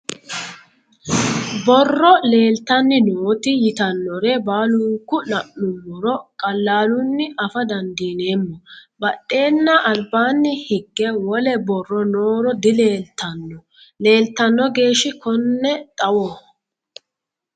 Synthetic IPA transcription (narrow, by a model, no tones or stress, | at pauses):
bɔrːɔle̞ːlt̪ɐnːɪnoːt̪ɪjɪt̪ɐnːɔɾɛbaːlʊːkːʊnɐʔnʊmːɔɾɔkʼɐlːaːlʊnːɪʔɐfɐd̪ɐnd̪iːne̞ːmːɔbɐɗːe̞ːnːɐʔɐlbaːnːɪhɪɡːɛwɔlɛbɔrːɔno̞ːɾɔd̪ɪle̞ːlt̪ʰːɐnːɔ | le̞ːlt̪ːɐnːɔɡe̞ːʃɪkɔnːɛt̪ʼɐwɔ